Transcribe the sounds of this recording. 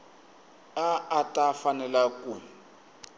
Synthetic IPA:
aʔːtʼafanɛlaku

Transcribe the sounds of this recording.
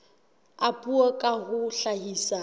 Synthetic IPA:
apʼuɔkʼahʊɬaɦiːsa

